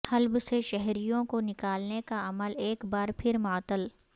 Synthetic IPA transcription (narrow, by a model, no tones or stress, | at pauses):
hɐlbseʃɛɦɾijõkonɪkaːlnekaɐməleːkbaːɾpʰɪɾmaːt̪əl